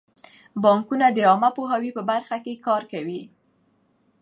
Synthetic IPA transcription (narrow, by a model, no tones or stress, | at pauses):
bɑŋkunad̪əɑmapoɦawipəbaɾxakekɑɾkawi